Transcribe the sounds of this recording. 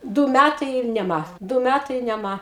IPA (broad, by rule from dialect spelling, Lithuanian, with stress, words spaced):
ˈduː ˈmʲætɐɪ ɪr nʲɛˈmɐ ˈduː ˈmʲætɐɪ ɪr nʲɛˈmɐ